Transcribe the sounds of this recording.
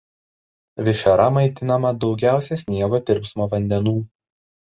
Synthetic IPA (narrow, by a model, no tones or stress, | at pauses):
ʋʲɪʃʲɐɾɐmɐɪt̪ʲɪnɐmɐd̪ɒʊɡʲæˑʊsʲɛsʲnʲiɛɡoːt̪ʲɪɾʲpsmoːʋɐnʲd̪ʲɛnuː